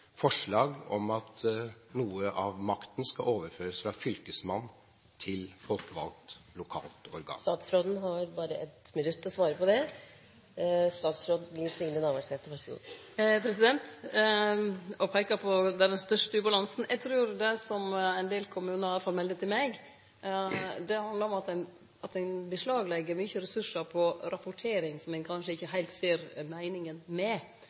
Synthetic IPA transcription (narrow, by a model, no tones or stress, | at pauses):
fɔʂɭɑːɡɔ̰mɑt̪nuːəʔɑʋmɑkt̪ənskɑoːʋəɾføːɾəsfɾɑfʏlkəsmɑnː | t̪ʰɪlfɔlkəʋɑ̰lt̪lʊkʰɑ̰ːlt̪ɔɾɡɑ̰ːst̪ɑːt̪sfɾoːd̪n̩ɦɑɾbɑːɾəʔɛt̪mɪnʉt̪ːɔsʋɑːɾəpɔd̪ɛ | st̪ɑːt̪sfɾoːd̪lɪnsɪŋnənɑːʋæʈɛːft̪ːəfœʂɡo̰ | pʰɾɛsɪd̪ɛnt̪ | ɔpʰæɪkɑpʰɔd̪æd̪ɛnst̪œʂʈəʉːbɑlɑnsn̩ʔɛɡt̪ʰɾʉːɾd̪ɛsɔmæɪnd̪eːlkʰʊmʉːnəɾɪɑləfɑlmɛld̪ət̪ʰːɪlmɛɡ | d̪ɛhɑnd̪ləɾɔmɑt̪æɪn | ɑt̪æɪnbəslɑːɡlɛɡːəɾmyçəɾɛsʉʂːəɾpʰɔɾɑpʊʈʰeːɾɪŋsɔmɛɪnkʰɑnʂəɪçːəɦæɪlt̪seːɾmæɪnɪŋənmɛ